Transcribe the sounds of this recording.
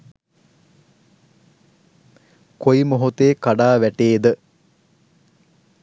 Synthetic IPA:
koimoɦut̪eːkaɖaːʋæʈeːd̪ə

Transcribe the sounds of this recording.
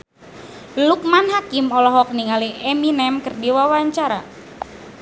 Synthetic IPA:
luk̚manɦakimɔlɔɦɔk̚niŋaliʔɛminɛmkərdiwawaɲt͡ʃaɾa

